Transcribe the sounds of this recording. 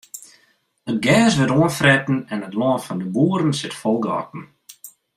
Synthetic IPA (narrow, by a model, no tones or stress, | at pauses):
ət̚ɡɛːsʋətoənfrɛtn̩ɛnətlɔːnfɔndəbuəɾn̩sɪtfɔlˠɡəɑ̰kn̩